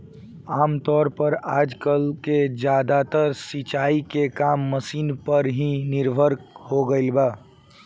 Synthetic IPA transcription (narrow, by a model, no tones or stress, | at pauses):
aːmt̪ɔːɾpəɾaːd͡ʒkəlked͡ʒjaːd̪at̪əɾsit͡ʃaːikekaːmːəsiːnpəɾɦĩnɪɾbʱəɾkhoɡəɪlbaː